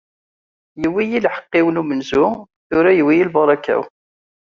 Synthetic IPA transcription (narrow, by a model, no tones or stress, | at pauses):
jəwːijilħə̥qːɪwənumənzʊ | θʊɾæjəwːijilbɑɾˤɑkæ̰w